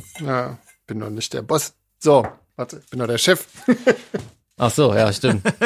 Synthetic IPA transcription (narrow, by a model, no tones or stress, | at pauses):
jaː | b̥ɪndɔ̰nɪçt̚d̥ḛːɐbɔs | z̥oː | vaɐtəɪçb̥ɪndɔd̥eːɐʃɛf | ʔaχz̥oːja̰ːʃtɪmt